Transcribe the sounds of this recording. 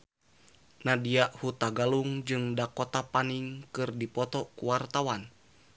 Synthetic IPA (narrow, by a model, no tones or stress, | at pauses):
nadiaʔhut̪aɡaluŋd͡ʒɨŋdakɔt̪apaniŋkɨrdipɔt̪ɔkuwart̪awan